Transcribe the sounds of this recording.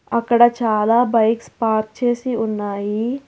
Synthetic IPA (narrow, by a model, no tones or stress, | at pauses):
ɐkːɐɽɐt͡ʃaːlaːbɐjkspaːɾt̪̚t͡ʃeːsiunːaːji